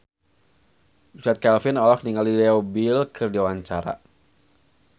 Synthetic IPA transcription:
usat̪̚kɛlfɪnɔlɔk̚niŋaldidɛɔbilkʰɨrdiwaɲt͡ʃaɾa̰

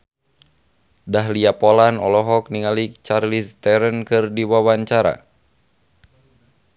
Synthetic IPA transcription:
daɦliapɔlanɔlɔɦɔk̚niŋalit͡ʃarlist̪ɛɾənkɨrdiwawaɲt͡ʃaɾa̰

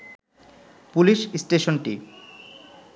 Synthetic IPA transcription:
puliʃsʈeʃonʈi

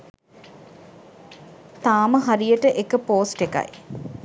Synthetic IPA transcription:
t̪aːməɦaɾijəʈəʔekəpoːsʈeka̰j

